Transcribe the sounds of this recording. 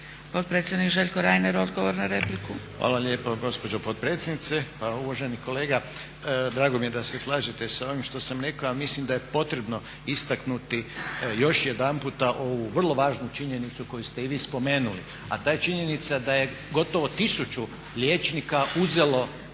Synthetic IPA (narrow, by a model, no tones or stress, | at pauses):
pot̪̚pɾet̪sʲjed̪nikʒeʎʲkoɾaːjneɾod̪ɡoʋoɾnaɾeplikuʋa̰ːlaʎʲjeːpoɡo̞spo̞d͡ʒopot̪̚pɾeːt̪sʲjed̪nit̪sepauʋaʒe̞niko̞le̞ːɡa | d̪ɾaːɡo̞mijed̪ase̞slˠaːʒit̪e̞sao̞ʋimʃt̪o̞samɾe̞kaoamislimd̪ajepo̞t̪ɾe̞bno̞ | ist̪aknut̪ijo̞ʃje̞d̪anput̪aʔo̞ʋuʋr̩lˠo̞ʋaːʒnut͡ʃiɲe̞nit̪suko̞just̪e̞iʋiːspo̞me̞ːnulḭ | a̰t̪aːjet͡ʃiɲe̞nit̪sad̪aje̞ | ɡo̞t̪o̞ʋo̞t̪isut͡ʃu | lʲjeːt͡ʃnikauze̞lo̞